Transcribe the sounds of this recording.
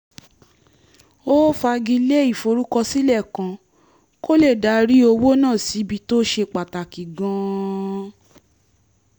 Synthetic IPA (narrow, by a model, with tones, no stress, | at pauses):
o˦fa˧ɡi˧le˦i˦˨fo˧ɾu˦kɔ˧si˦lɛ˦˨kã˧ | ko˦le˦˨da˨˦ɾi˦o˧wo˦nãː˦˨si˨˦bi˧to˦ʃe˧k͡pa˨ta˨ki˨ɡã˧˦